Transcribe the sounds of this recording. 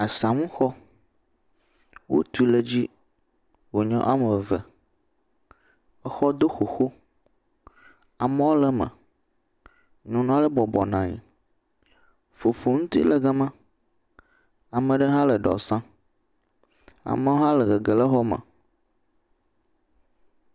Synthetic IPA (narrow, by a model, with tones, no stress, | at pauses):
a˨sã˨ŋũ˦xɔ˦ | wo̰˦t̪u˦lə˨d͡ʑi˦ | wo˨ɲɔ̰̃˦ʔa˦mə˨və˨ | ə˦xɔ˦d̪o˦xo˨xo˦ | a˨mə˦wo˦lə˦mə̰̃˨ | nũ˨nũ˦a˦lə˦bɔ˨bɔ˨nã˨ɲḭ˨ | fo˨fo˨ŋũ˦t̪ḭ˦lə˨ɡə˦mã˦ | a˨mə̃˨ɖə˦ɦã˦lə˨ɖɔ̰˨sã˦ | a̰˨mə˦wo˦ɦã˦lə˨ɣə˨ɡə˨lə˦ɦɔ˦mə̰̃˨